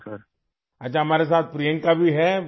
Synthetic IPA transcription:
səɾ | ɐtːt͡ʃʰaɦɐmaːɾes̬aːt̪̚pɾijə̃ŋkabʱiɦɛ

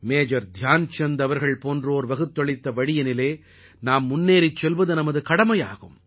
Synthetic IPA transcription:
meːd͡ʒɐɾd̪ʱjaːnt͡ʃɛnd̪ɐʋɐɾɣɐɭpoːndroːɾʋɐɣɯt̪ːɔɭɪt̪ːɐʋɐɽɪjɐnɪleː | naːmːʊnːeːɾɪt͡ʃːɛlʋɐðɯnɐmɐðɯkɐɽɐmɐja̰ːɣɯm

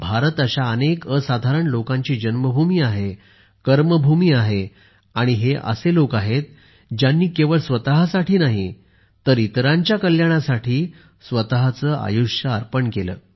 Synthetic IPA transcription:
bʱaɾət̪əɕaənekəsad̪ʱaɾəɳlokãɲt͡ɕiːd͡ʑənməbʱumiːaɦe | kəɾməbʱumiːaɦe | aɽ̃iɦeʔə̰selokaɦet̪̚ | d͡ʑjanːiːkeʋəɭsʋət̪aɦasaʈiːnaɦi | t̪əɾit̪ɾãɲt͡ɕjakəljaɽ̃asaʈʰiː | sʋət̪aɦat͡səːʔa̰juʂjəaɾpəɳkelə̰ː

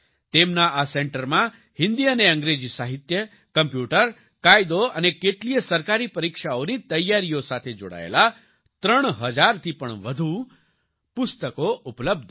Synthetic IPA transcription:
t̪emnaaseɳʈəɾmã | hɪnd̪iəneə̃ŋɡɾed͡ʒisaɦit̪jə | kəmpjuʈəɾ | kajd̪oənekeʈlijəsəɾkaɾipəɾikʃaonit̪əjːaɾijosat̪ʰed͡ʒo̰ɽa̰ḛla | t̪ɾəɳ̃ɦəd͡ʒaɾt̪ʰipəɳʋəd̪ʱu | pʊst̪əkoupləb̚d̪ʱ

